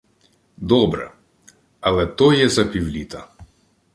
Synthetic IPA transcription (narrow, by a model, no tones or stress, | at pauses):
d̪ɔbɾɛ̰ | ɐlˠɛt̪ɔjɛzɐpʲiwlʲit̪ɐ